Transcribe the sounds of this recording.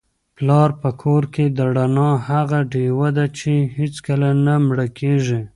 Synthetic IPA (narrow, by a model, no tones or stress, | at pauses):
plɑɾpəkʰoɾked̪əɽanɑhaɣaɖewad̪at͡ʃehet͡skəlanamɽəkʰeʒi